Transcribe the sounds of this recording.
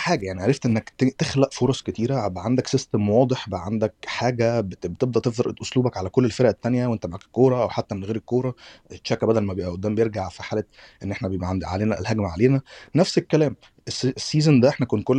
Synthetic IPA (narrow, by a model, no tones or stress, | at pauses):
ħaːɡæjaʕniʕaɾeft̪ʔenːækt̪t̪exlæʔfoɾˤɑsˤket̪iːɾæbæʕand̪æksest̪æmwɑːd̪ˤeħbæʔʕand̪ækħaːɡæbebet̪ebd̪æʔt̪efd̪ɾʔt̪ʔosˤluːbækʕalækolːelfeɾæʔæt̪ːænjæwʔent̪æmaʕaːkkːoːɾˤɑʔæwħat̪ːæmenɣeːɾekːoːɾˤɑʃækæbæd̪ælmæbeʔæʔod̪ːæːmbejeɾɡaʕfiħaːlæ | ʔenːʔeħnæbeʔʕad̪ʕa̰leːnæ̰lhæɡmæʕaleːnænæfsekːælæːm | essːiːzænd̪æʔeħnækuːnt̪̚kolː